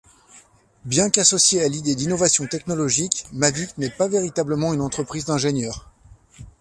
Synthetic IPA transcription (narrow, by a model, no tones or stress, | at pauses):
bjɛ̃kasɔsjealid̪ed̪inɔvasjɔ̃t̪ɛknɔlɔʒikmaviknɛpaveʁit̪abləmɑ̃ynɑ̃t̪χəpχizd̪ɛ̃ʒenjœːʁ